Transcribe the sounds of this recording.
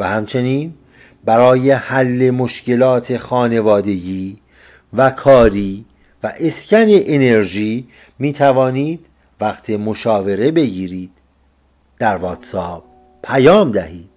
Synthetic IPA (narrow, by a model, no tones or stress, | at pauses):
væhæmt͡ʃʰe̞niːn | bæɾɒːje̞hælːe̞moʃce̞lɒːt̪ʰe̞xɒːne̞vɒːd̪e̞ɟiː | vækʰɒːɾiː | væʔe̞scæne̞ʔene̞ɾʒiː | miːt̪ʰævɒːniːd̪ | væqt̪ʰimo̞ʃɒːve̞ɾe̞be̞ɟiːɾiːd̪̥̚ː | æɾvɒːt̪sɒːb̥̚ | pʰæjɒːmd̪æhiːd̪̥̚